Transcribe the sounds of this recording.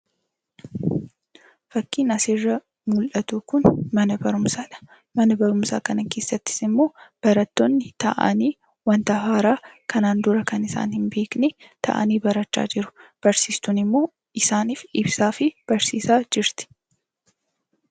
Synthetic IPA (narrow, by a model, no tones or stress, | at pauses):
fɐkːiːnɐsɪrːɐ | mʊlʔɐt̪uːkʊnmɐnɐbɐɾʊmsaːᶑɐ̥ | mɐnɐbɐɾʊmsa̰ːkɐnɐke̞ːsːɐt̪ːɪ̥sɪmːo̞ːb̥ɐɾɐt̪ːonːɪt̪ɐ̰ʔɐ̰niː | wɐnt̪ɐɦaːɾaːkʰɐnaːnd̪ʊɾɐkɐnɪsa̰ːnhɪnbe̞ːknɛ | t̪ʰɐ̰ʔɐ̰niːbɐɾɐt͡ʃːa̰ːd͡ʒɪɾʊ̥b̥ɐɾsiːst̪ʊnɪmːo̞ː | ɪsaːniːfɪbsaːfɪb̥ɐɾsiːsaːd͡ʒɪɾt̪ɪ̥